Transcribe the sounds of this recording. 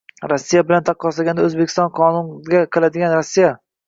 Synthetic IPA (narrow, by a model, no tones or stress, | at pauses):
ɾɒsːijabɪlant̪ʰɑqʰːɒslaɡʲand̪aɵzbekʲɪ̥st̪ɒnqʰɒnʊnɡʲaqʰɨlad̪ɪɡʲanɾɔsːija